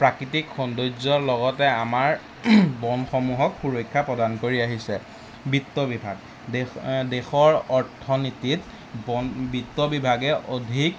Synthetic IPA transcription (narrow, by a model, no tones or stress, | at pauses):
pɹakitikxɔndozɔɹlɔɡɔtɛamaɹ | bɔnxɔmuɦɔkxuɹojkʰːapɹɔdankoɹiaɦisɛ | bitːɔbibʱaɡ̚ | dexɔɹɔɹtʰːɔnitit | bbitːɔbibʱaɡɛʔodʱik